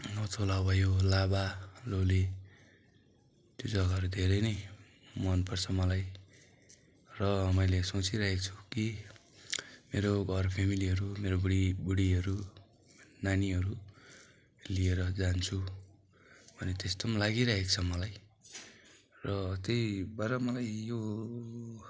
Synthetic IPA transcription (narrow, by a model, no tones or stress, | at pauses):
nʌtʰolawbʱʌjolabalole | t̪jod͡zʌɡaʌɾud̪ʱeɾʌjnʌj | mʌnpʌrt͡sʰʌmʌlaj | rʌmʌjlesot͡siɾʌɦek̚t͡sʰu̥ki | meɾoɡʱʌrpʰemiliɦʌɾumeɾoɽibuɽiɦʌɾu | naniɦʌɾu | lieɾʌd͡zant͡sʰu | bʱʌnet̪est̪omlaɡiɾʌɦekt͡sʰʌmʌlaj | rʌt̪ejbaɾʌmʌlajjo